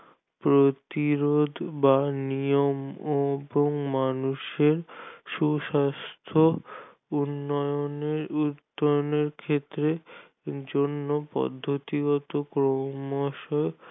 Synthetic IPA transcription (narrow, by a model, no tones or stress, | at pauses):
pɾot̪iɾod̪ʱbanijomboŋmanuʃeɾʃuʃast̪ʰo | unːɔoneɾud̪ːɔoneɾkʰet̪ːɾe | d͡ʑonːopɔ̰d̪ʱːot̪iɡɔt̪okɾomoʃɔo